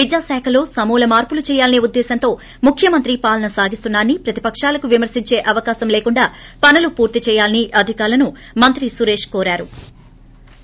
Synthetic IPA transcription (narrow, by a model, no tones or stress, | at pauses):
ʋid͡ʒjaːsɛːkʰɐlo̞ːsɐmuːlɐmaːɾpulut͡ʃɛːjaːlɐneːud̪ːɛːsɐnt̪o̞ː | mukʰjɐmɐnt̪ɾipaːlɐnɐsaːɡist̪unːaːnːipɾɐt̪i̥pɐkʂaːlɐkuʋimɐɾsiɲt͡ʃe̞ːʔɐʋɐkaːsɐmleːkuɳɖaːpɐnɐlupuːɾt̪it͡ʃɛːjaːliniʔɐd̪ʱikaːɾlɐnu | mɐnt̪ɾisuɾe̞ːʂkoːɾaːɾu